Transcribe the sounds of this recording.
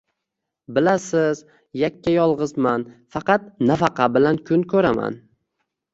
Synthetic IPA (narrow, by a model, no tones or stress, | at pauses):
bɪlasɪz | jakʲːajɒlˠʁɨzmanfɑqɑt̪̚nafɑqʰɑbɪlankʰʊnkʰɵɾama̰n